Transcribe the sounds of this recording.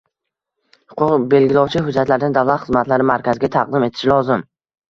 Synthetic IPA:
hʊ̥qʰʊqbe̞lɡʲilɒwt͡ʃʰɪɦʊd͡ʒat̪laɾɪd̪ɪnd̪avlˠat̪χɨzmat̪laɾɪmaɾkʲʰazɪɡʲat̪ʰaq̚d̪ɪme̞t̪ʰɪ̥ʃlɒzɪm

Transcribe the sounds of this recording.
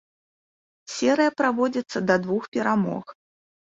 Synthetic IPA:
sʲɛɾɨjɐpɾavɔd͡zʲɐt̪sːɐd̪ɐd̪vuxpʲɛɾamɔ̰x

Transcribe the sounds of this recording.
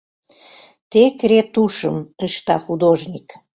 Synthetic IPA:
t̪ekɾet̪uʃəməʃt̪ɑ̰xud̪oʒnʲik

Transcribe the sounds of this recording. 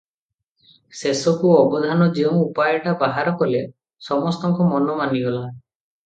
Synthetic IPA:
sesɔkuɔbɔd̪ʱanɔd͡ʒiɔmupajɔʈabaɦaɾɔkɔle | sɔmɔst̪ɔŋkɔmɔnɔmaniɡɔla

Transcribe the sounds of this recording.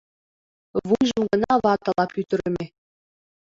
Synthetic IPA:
βujʒɤ̆mɡɤ̆nɑβɑt̪ɤ̆lˠɑpyt̪ɘ̆ɾɘ̆mʲe

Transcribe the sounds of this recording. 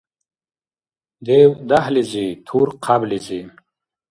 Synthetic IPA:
d̪ewd̪ahlizit̪ʰuɾqʰablizi

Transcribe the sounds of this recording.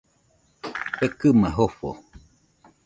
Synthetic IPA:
ekɨmãɦofo̰

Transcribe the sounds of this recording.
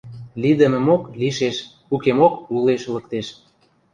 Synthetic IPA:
lid̪ə̆mə̆mokliʃeʃ | ukemokuleʃlək̚t̪eʃ

